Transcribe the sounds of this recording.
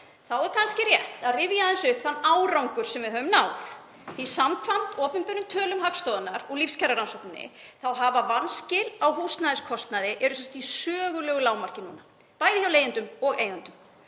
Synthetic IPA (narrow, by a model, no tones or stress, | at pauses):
θawɛɾkʰanscɪrjɛht̪aðrɪvjaðɛnsʏhpθanːaːwɾawŋkʏɾ̥sɛmvɪðɦœvʏmnaːwθ | θisamkʰvam̥t̪ɔːpʏmpʏɾʏmt̪ʰœːlʏmhakst̪ɔːðanːaɾɔɣlifscʰɛɾaɾansɔwknnɪ̰θawɦavavanscɪlawɦust̪naðɪskʰɔst̪naðɪʔɛɾʏsɛnsjḁt̪isœːɣʏlœɣʏlaːwmar̥cɪnuna | paːjðɪçawleːjɪnt̪ʏmɔɣejʏnt̪ʏm